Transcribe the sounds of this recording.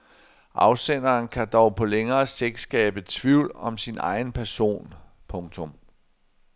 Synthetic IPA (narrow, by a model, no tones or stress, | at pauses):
ʔɑ̈ʊsen̰ɐːnkʰæd̥ɒʊpʰɒ̽leŋɐːseɡ̥sɡ̥ɛ̰ːb̥ət͡sʰʋiʊ̰lɒ̽msinɑ̈ɪn̩pʰæɐso̝̰ːn | pʰɔ̽ŋt͡sʰɔ̽m